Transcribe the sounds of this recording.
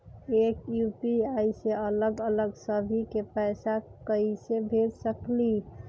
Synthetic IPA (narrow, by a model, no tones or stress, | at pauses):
ekjupiajseələɡələɡsəbʱikepɛsakəisebʱeɾsəkli